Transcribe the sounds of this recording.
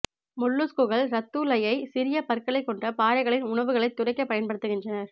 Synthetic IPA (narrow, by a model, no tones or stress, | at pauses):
mʊɭːɯskɯɣɐɭɾɐt̪ːuːlɐjɐɪsɪɾɪjɐpɐɾkɐɭɐɪkːɔɳdrɐpaːɾɐɪɣɐɭɪnʊɳɐʋɯɣɐɭɐɪt̪ːʊrɐɪkːɐpːɐjɐnpɐɽɯt̪ːɯɣɪndrɐnɐɾ